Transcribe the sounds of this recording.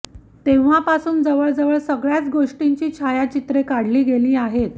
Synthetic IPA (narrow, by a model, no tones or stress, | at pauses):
t̪eʋ̤apasuːnd͡zəʋəɭd͡zəʋəɭsəɡɭjat͡sɡoʂʈiɲt͡ɕiːt͡ɕʰajat͡ɕit̪ɾekaɽ̤liːɡeliːaɦet̪̚